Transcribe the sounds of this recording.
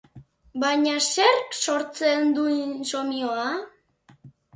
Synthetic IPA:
bajɲase̞ɾkso̞ɾt͡se̞nd̪unso̞mioa

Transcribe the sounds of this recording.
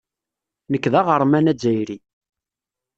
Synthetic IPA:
nəkːðæʁəɾˤmænæd͡zːæjɾi

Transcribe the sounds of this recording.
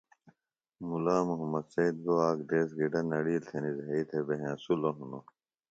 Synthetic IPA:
mulaːmuɦɐmːɐd̪sɐid̪̚ɡoaːkd̪eːs̬ɡiɖɐnɐɽiːlt̪ʰenizɦɐiːt̪ʰebeɦẽsuloɦuno

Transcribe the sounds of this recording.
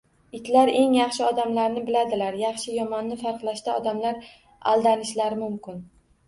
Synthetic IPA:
ɪt̪laɾe̞ŋjɑχʃɪɒd̪amlaɾnɪbɪlad̪ɪlaɾjɑχʃɪjɒmɒnːɪfaɾqlˠaʃt̪aɒd̪amlaɾ | a̰lˠd̪anɪʃlaɾɪmʊmkʲɪn

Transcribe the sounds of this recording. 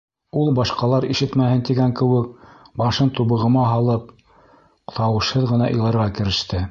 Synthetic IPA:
ulˠbɑʃqɑlˠɑɾiʃɘt̪mæhɘnt̪iɡæŋkɘ̆wɘk̚bɑʃɤnt̪uβɤ̆ʁɤ̆mɑɦɑlˠɤp̚ | t̪ɑwɤ̆ʃhɤðʁɤ̆nɑʔɤ̆jlˠɑɾʁɑkɘ̆ɾɘ̆ʃt̪ɘ

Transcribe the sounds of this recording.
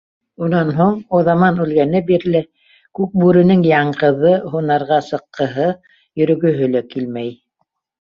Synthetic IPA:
unɑnɦuɴoðɑmɑnʉlɡænɘbiɾlɘ | kʉk̚bʉɾɘ̆nɘŋjɑɴqɤ̆ðɤɦunɑɾʁɑsɤ̆qːɤ̆ɦɤ | jɵ̆ɾɵ̆ɡɵ̆ɦɵlækilmæj

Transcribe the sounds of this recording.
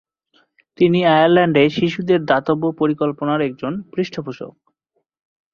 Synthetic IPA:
t̪iniajaɾlɛɳɖeʃiʃud̪eɾd̪at̪obːopoɾikolponaɾɛk̚d͡ʑonpɾiʃʈʰopoʃo̰k̚

